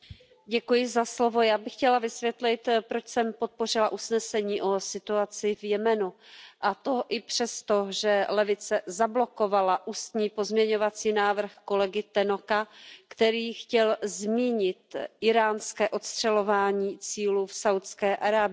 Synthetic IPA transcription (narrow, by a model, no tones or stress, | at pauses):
ɟɛkujɪzaslovo̞jaːbɪxcɛlavɪsvjɛt̪lɪt̪pɾot͡ʃsɛmpo̞t̪̚po̞r̝ɪlaʔusnɛsɛɲiːʔo̞sɪt̪uat͡sɪvjɛmɛnuʔat̪oʔɪpr̥ɛst̪o̞ʒɛlɛvɪt͡sɛzablo̞ko̞valaʔust̪ɲiːpo̞zmɲɛɲo̞vat͡siːnaːvr̩xko̞lɛɡɪt̪ɛnokakt̪ɛɾiːxcɛlzmiːɲɪt̪ʔɪɾaːnskɛːʔo̞t̪st̪r̝̥ɛlo̞vaːɲiːt͡siːlufsawt̪skɛːʔaɾaːbɪ